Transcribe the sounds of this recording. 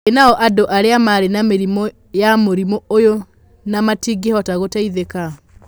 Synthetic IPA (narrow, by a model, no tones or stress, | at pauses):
enaɔʔadoʔaɾeamaɾenameɾimɔ | jamoɾimɔojo | namatiɡehɔtaɣotaiðeka